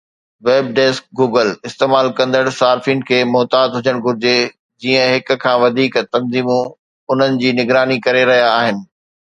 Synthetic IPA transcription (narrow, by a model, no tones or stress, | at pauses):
ʋeːb̚ɖeːsk̚ɡuːɡəlɪst̪eːmaːlkɐ̃nd̪əɽsaːɾfĩɳɖkʰeːmɔːt̪aːd̪ɦʊd͡ʑəɽ̃ɡʱʊɾɪd͡ʑe | d͡ʑiːə̃ɦɪk̆kʰãːʋɐd̪ʱiːkt̪ɐ̃nziːmũ | ʊn̤ənɪ̆d͡ʑiːnɪɡɾaːnikɐɾeɾɐɦijaːɦɪnɪ̆